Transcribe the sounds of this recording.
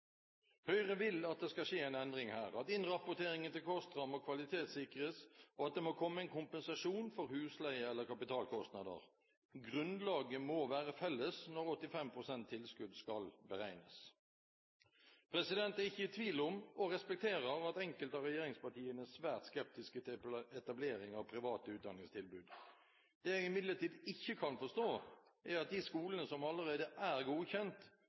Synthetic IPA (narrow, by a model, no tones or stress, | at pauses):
hœʏʁəʋɪlɑt̪̚d̪ɛskɑʂeːæɪnɛnd̪ʁɪŋhæ̰ːɾɑt̪ɪnʁɑpːʊt̪ʰeːɾɪŋənt̪ɪlkʰɔst̪ʁɑmokʰʋɑlɪt̪ʰeːt̪sɪkəɾəsɔɑt̪̚d̪eɛmoːkʰɔmːəɛɪnkʊmpənsɑʂuːnfɔɾhʉːslæɪəɛlːəkɑpɪt̪ʰɑːlkʰɔst̪nɑd̪ə̰ʁ | ɡʁʉnlɑːɡəmoːʋæːʁəfɛlːəsnɔɾɔt̪ːɪfɛmpʰʁʊsɛnt̪ʰːɪlskʉd̪skɑlbəɾæɪnə̰s | pʰɾɛsɪd̪ɛnt̪æʁɪçːəɪt̪ʰʋiːlʊmɔʁɛspɛk̚t̪ʰeːɾəʁɑt̪ɛŋkəlt̪ɑɾɛjeːɾɪŋspɑʈʰiːənəssʋæːʁt̪skɛp̚t̪ɪskəɛt̪ɑbleːɾɪŋɑʋpʰɾɪʋɑːt̪əʉːt̪d̪ɑnɪŋst̪ʰɪlbʉːd̪ | d̪̥eːɛɡɪmɪd̪ləʈ̪iːd̪ɪçːəkʰɑnfɔʂt̪oːʔæɾɑt̪̚d̪iskuːlənəsɔmɑlːəʁeːd̪əʔæʁɡuːçɛnt̪